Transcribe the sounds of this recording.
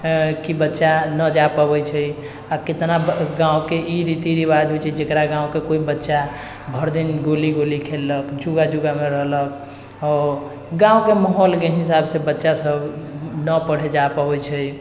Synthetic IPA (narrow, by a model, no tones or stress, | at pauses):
kibətːʃanəd͡ʒapəbɛjt͡ʃʰəj | aket̪naɡãwkeʔiɾit̪iɾiβad͡ʒɦot͡ʃʰɛd͡ʒekɾaɡãũkekoibətːʃa | bʱəɾd̪inɡoliɡolikʰelːəkd͡ʒuɡad͡ʒuɡameɾəɦlək | ɔ | ɡãw̃keməɦolkeɦisabsebətːʃasəbnəpəɽ̤ed͡ʒapəbɛt͡ʃʰəj